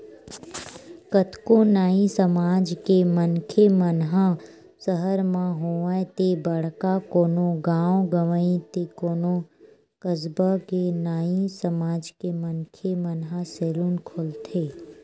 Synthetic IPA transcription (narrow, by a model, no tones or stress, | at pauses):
kət̪konaːĩsəmaːd͡ʒkemənkʰemənɦã | səɦəɾmãɦoːəet̪ebəɽkakoːnoɡãːõɡəʋəĩt̪ekoːno | kəzbakenaːisəmaːd͡ʒkemənkʰemənɦãseːluːnkʰolt̪ʰeː